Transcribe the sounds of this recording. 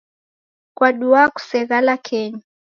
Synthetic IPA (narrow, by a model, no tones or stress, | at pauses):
kwaɗuaku̥sɛɣalakʰɛɲa